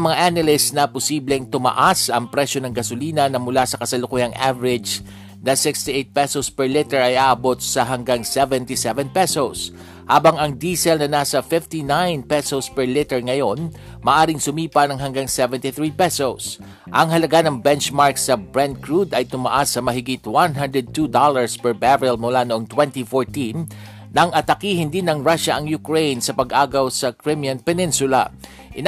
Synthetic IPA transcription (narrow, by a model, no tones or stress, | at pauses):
mɐŋaʔanɐlɪsnɐpʊsiːblɛŋt̪ʊmɐ̰ʔasʔɐŋpɾɛʃo̞nɐŋɡɐsʊliːnɐnɐmʊlasɐkɐsɐlʊkujɐŋavɛɾɪd͡ʒ | nɐsɪkst̪iʔejt̪̚pɛsospɛɹlɪt̪ɛɹɐjʔaːʔɐbo̞t̪̚sɐɦɐŋɡaŋsɛvɛnt̪isɛvɛnpɛsos | ha̰ːbɐŋɐŋd̪iːsɛlnɐnaːsɐfɪft̪inajnpɛsospɛɹlɪt̪ɛɹŋɐjo̞n | mɐːʔaːɾɪŋsʊmiːpɐnɐŋɦɐŋɡaŋsɛvɛnt̪ɪθɹipɛsos | ʔɐŋɦɐlɐɡanɐŋbɛnt͡ʃmaɹksɐbɹand̪̚kɹud̪ɐjt̪ʊma̰ʔasːɐmɐɦɪɡɪt̪wanɦand̪ɹɛd̪̚t̪ud̪olɐɹspɛɹbaɹɪlmʊlanoʔoŋt̪wɛnt̪ifoɹt̪in | nɐŋʔɐt̪ɐkiːhɪnd̪ɪnɐŋɹaʃɐʔɐŋjʊkɹejnsɐpɐɡʔaːɡɐwsɐkɹɪmjɐnpɛnɪnsʊlɐ̰ | ʔɪn